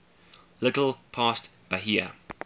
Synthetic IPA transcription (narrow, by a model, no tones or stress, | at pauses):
lɪtl̩ˠpʰɑːstb̥aɦiə̰